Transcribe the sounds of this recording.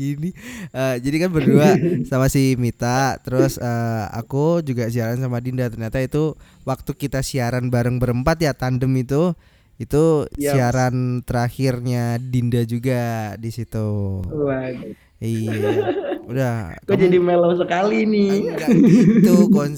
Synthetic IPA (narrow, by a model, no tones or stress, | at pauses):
iniəd͡ʒadikanbərduasamasimit̪at̪əɾʊsəːa̰kud͡ʒuɡasiaɾansamadindat̪ərɲat̪ait̪uwak̚t̪ukit̪asiaɾanbaɾəŋbəɾəmpat̪jat̪andəmit̪u | it̪ujsiaɾant̪əɾaxɪrɲadindad͡ʒuɡadisit̪u | iaudahkud͡ʒadimelosəkaliniɡait̪ukɔn